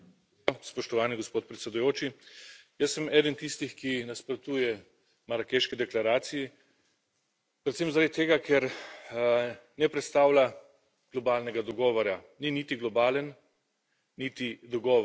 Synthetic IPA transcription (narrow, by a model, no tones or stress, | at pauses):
spɔʃt̪ɔʋaːniɡɔspoːt̪̚pɾɛt̪sɛd̪ujoːt͡ʃijəsːəmɛːd̪ənt̪ist̪ixkinaspɾɔt̪uːjɛ | maɾakeʃkid̪ɛklaɾaːt̪siji | pɾɛt̪semzaɾad̪it̪eːɡakʰɛɾ | nɛpɾɛt̪st̪aːwla | ɡ̥lɔbaːlnɛɡad̪ɔɡɔːʋɔɾa | niniːt̪iɡlɔbaːlənː | it̪id̪ɔɡɔː